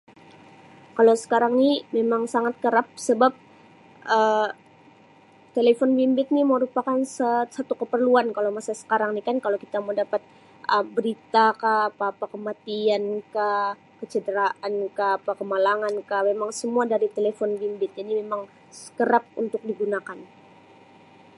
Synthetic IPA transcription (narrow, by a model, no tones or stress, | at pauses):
kalosə̥kaɾaŋnimemaŋsaŋat̪̚kəɾap̚səbap̚ | ʔə | t̪elefɔnbimbɪt̪̚nimoɾupakansəsat̪ukəpərluankalomasasə̥kaɾaŋnikankalowkit̪amadapat̪̚ | ʔəbəɾit̪akaːpaːpakəmat̪ianka | kət͡ʃədəɾaʔankaːpakəmalaŋankahmemaŋsəmuadaɾit̪elefɔnbimbɪt̪̚janimemaŋ | sə̥kəɾap̚ṵnt̪ʊk̚diɡunakan